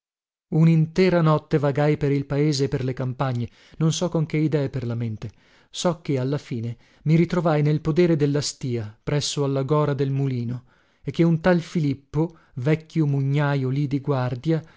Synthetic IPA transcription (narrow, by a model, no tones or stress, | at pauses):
unint̪ɛːɾanɔt̪ːevaɡajpeɾilpaeːzeːpːerlekampaɲːe | nonsɔkoŋkeid̪ɛːeperlament̪e | sɔkːealːafiːne | miɾit̪ɾovajnelpod̪ɛːɾed̪elːast̪iːapɾɛsːoalːaɡɔːɾad̪elmuliːno | ekːeunt̪alfilipːo | vɛkːjomuɲːaːjolid̪iɡward̪ja